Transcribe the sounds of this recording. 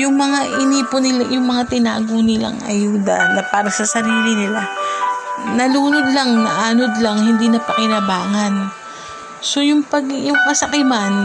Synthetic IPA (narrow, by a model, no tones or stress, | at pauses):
jʊŋmɐŋaʔɪniːponɪlajʊŋmɐŋat̪ɪna̰ːɡonɪla̰ŋɐ̰juːd̪ɐ̰nɐpaːɾɐsɐsɐɾiːlɪnɪla | nɐluːnod̪lɐŋnɐʔaːnod̪lɐŋhɪnd̪inɐpɐkɪnɐbaːŋɐn | so̞jʊŋpɐɡjʊŋkɐsɐkɪman